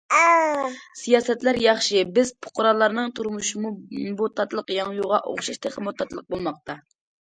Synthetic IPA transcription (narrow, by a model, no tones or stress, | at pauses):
sijɑːsɛt̪læɾjɑχʃɨbɪzpʰʊ̥qʊɾɑlˠːɑɾnɨŋt̪ʰuɾmuʃimubot̪ʰːɑt̪lˠəqjɑŋjuʁɑʔo̰χʃɑʃt̪ʰeχəmot̪ʰːɑt̪lˠəq̚bolˠmɑq̚t̪ɑ